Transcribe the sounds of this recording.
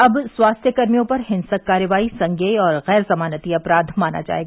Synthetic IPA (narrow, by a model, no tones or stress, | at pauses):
ɐbswaːst̪ʰjəkɐɾmijõpɐɾɦɪ̃nsəkːaːɾəʋaːisɐ̃ŋɡeːiɔːɾɣɛːɾzɐmaːnət̪iɐpɾaːd̪ʱmaːna̰d͡ʒa̰ːḛːɡaaː